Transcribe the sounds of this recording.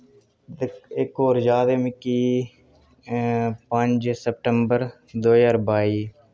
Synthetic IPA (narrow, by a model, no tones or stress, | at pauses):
ɪkoːɾd͡ʒaːd̪emikiː | pəɲd͡ʒsəp̚ʈəmbəɾ | d̪oːiəɾbaːiː